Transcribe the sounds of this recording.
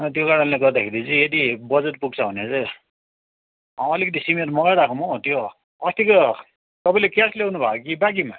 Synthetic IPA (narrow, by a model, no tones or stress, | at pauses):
t̪̬jokaɾʌnleɡʌd̪akʰeɾid͡zĩed̪ibʌd͡zet̚puɡ̚t͡sʰʌuned͡zʌ | ɦãʌlikʌt̪isimetmʌɡajɾakʰõmot̪jo | ʌst̪iko | t̪ʌpajlekaslewnubʱaokibak̬ima̰